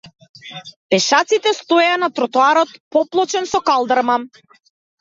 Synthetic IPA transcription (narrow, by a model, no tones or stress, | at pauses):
pɛʃat̪sit̪ɛst̪ɔanat̪ɾɔt̪ɔaɾɔt̪pɔplˠɔt͡ʃɛnsɔkalˠd̪aɾma